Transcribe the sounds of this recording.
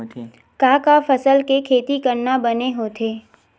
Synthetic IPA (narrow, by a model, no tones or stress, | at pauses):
kaːkafəsəlkekʰeːt̪ikɐɾnabɐneɦoːt̪ʰeː